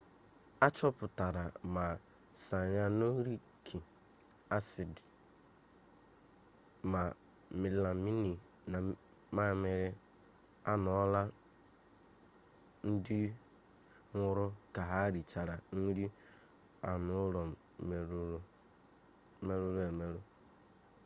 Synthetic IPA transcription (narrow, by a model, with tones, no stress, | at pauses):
a˦t͡ʃɔ˦pʊ˨ta˨ɾa˨ma˨ | sa˨ɲa˦no˦ɾi˦ | kʰi˨ | a˦sɪ˨dɪ˨ | ma˨ | mɪ˨˦la˨mi˦ni˨ | na˨ | ma˦me˨ɾɪ˦ | a˦nɔ˨˦ɔ˦la˦ | n̩˦di˦ | ŋʷʊ˦ɾʊ˦ka˨ɦa˦ɾi˨t͡ʃa˨ɾa˨n̩˦di˦ | a̰˨nʊ˦ɾɔ˨ɾ | me˦ɾu˦ɾe˨me˦ɾo˦